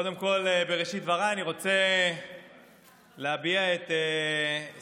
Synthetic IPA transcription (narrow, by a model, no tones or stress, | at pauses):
kod̪e̞mko̞lebeʁeʃit̪vaʁaːniʁo̞t͡se | leabiaet̪e